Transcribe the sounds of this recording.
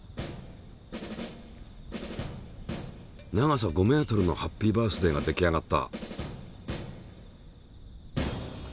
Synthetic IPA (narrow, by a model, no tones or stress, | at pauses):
naɡas̬aɡo̞me̞ːt̪o̞ɾɯ̟no̞̰hapʲːiːbaːsɨd̪e̞ɡad̪e̞kʲiaɡat̪ːa̰